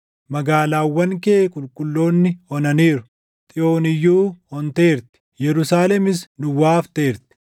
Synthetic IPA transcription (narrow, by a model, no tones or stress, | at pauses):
mɐɡaːlaːwːɐŋkeːkʼʊlkʼʊlːo̞ːnːɪhɔnɐniːɾʊ̥ | t̪ʼɪʔo̞ːnɪjːuːhɔnt̪eːɾt̪ɪ̥jɛɾʊsaːlɛmɪsnʊwaːft̪eːɾt̪ɪ̥